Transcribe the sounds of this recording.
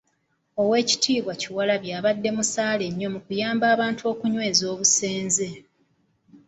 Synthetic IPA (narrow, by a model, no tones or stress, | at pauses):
o̞we̞ːci̥tʰiːβwaciwalaβjaːβadːe̞musaːle̞ɲːo̞mukujaːmbaːβaːntuo̞ːkuɲwe̞ːzo̞ːβuse̞ːnze̞